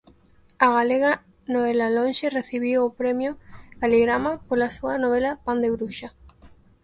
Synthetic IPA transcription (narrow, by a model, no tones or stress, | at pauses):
aɣaleɣa | noβelalõnʃereθiβ̞iwopɾemjokaliɣɾamapolasuanoβ̞elapand̪eβɾuʃa